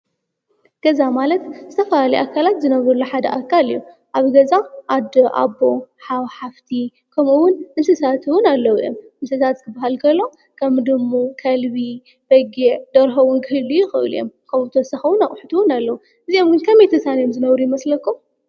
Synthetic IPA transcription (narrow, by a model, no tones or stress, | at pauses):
ɡ̥ɐzamalɐt̪zɨt̪ʰɐfɐlalɐjʔakʰːalat̪zɨnɐβɾulːuħad̪ɐ̰ʔakʰːalijːu | ʔaβɡɐzaʔad̪oʔa̰boħawħaft̪ʰi | kʰɐmuwʊnʔɨnsɨsat̪ʰɨwʊnalːɐwjomʔɨnsɨsat̪zɨt̪ʰɨbːaɦalkʰɐlːo̞ | kʰɐmd̪ɨmːukʰɐlbi | b̥ɐɡeʕd̪ɐɾɦɐwunkʰɨhɨlːujɪxɨʔɨ̰lḭjo̰mkʰɐmɨt̪ʰosɐxɐwʊnaʔʼħut̪ʰuwʊnalːɐwu | ʔɨzio̞mɡɨnkʰɐmet̪ʰɐsanjomzɨnɐβɾujɪmɐslɐkːu